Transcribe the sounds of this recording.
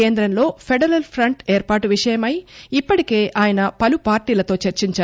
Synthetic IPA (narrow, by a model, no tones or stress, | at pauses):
eːnd̪ɾɐnlo̞ːpʰeɖɐɾɐlpʰɾɐɳʈeːɾpaːʈuʋiʂɐjɐmɐjipːɐʈike̞ːʔaːjɐnɐpɐlupaːɾʈiːlɐt̪o̞ːt͡ʃeɾt͡ʃiɲt͡ʃaː